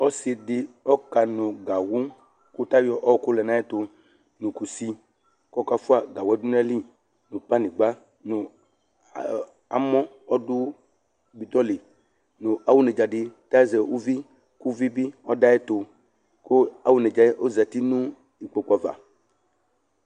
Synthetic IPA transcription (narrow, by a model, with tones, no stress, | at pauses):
ɔ˦si˨dɪ˨ɔ˦ka˨nũ˨ɡa˨wu˦ | ku˦t̪a˦jɔ˨ʔɔ˦ku˦lɛ˨nã˦ɛ˦t̪o˨ | nũ˨ku˨si˦ | kɔ˦ka˦fu˦a˨ɡa˨wɛ˦du˦n˦a˦li˦ | nũ˨pa˦nĩ˨ɡ͡ba˦ | nũ˨ | a̰˨mɔ̃˦ | ɔ˦du˦ | bi˨d̪ɔ˦li˨ | nũ˨ʔa˨wu˦nɛ˨d͡ʒa˨ɖɪ˨t̪a˦zɛ˨wu˦vi˦ | ku˦vi˦bi˦ɔ˦da˦ɛ˦t̪o˨ | ko˦a˨wu˦nɛ˨d͡ʒa˨e˦ʔo˦zɛ˨t̪i˦nũ˦ | i˨k͡po˨ku˦a˨va̰˨